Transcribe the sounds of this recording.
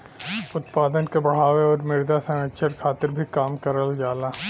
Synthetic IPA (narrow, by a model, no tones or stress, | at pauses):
ʊt̪paːd̪ənkebɐɽ̤aːʋeɔːɾmɪɾd̪asɐ̃əʃʰəɾkʰaːt̪ɪɾbʱikaːmkɐɾəld͡ʒaːlaː